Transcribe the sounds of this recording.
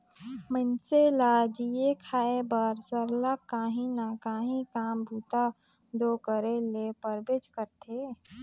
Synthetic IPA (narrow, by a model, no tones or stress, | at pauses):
mənselad͡ʒijekʰaːebaɾsəɾlakaːɦĩnakaːɦĩkaːmbʱuːt̪a | d̪oːkəɾelepəɾbeːd͡ʒkəɾt̪ʰe